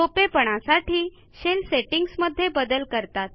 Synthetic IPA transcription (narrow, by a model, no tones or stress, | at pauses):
topepəɽ̃asaʈʰiː | ɕelseʈiŋɡsməd̪ʱːjebəd̪əlkəɾt̪at̪̚